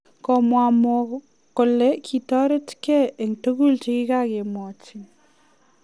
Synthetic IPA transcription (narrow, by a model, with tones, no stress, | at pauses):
kɔ˨mwamɔ | ko˨le˦kʰi˨tɔ˦ɾe˦tkɛ˦e˨ŋto˦ɡu˦lt͡ʃi˦kɪ˦ka˦˨ke˨mwɔ˨t͡ʃi˨